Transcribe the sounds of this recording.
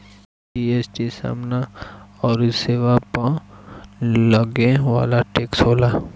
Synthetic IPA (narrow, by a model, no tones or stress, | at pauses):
iesʈisa̰ːmnaɔːɾseːʋapə | ləɡẽʋa̰ːlaʈeːksɦoːla